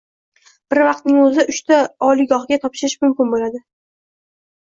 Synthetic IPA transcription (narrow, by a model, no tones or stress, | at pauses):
b̥ɪɾvɑq̚t̪̚nɪŋɵzɪʊʃt̪ʰaɒlɪɡɒhɡʲat̪ʰɒpʃɪɾɪʃmʊmkʲɪnbolad̪ɪ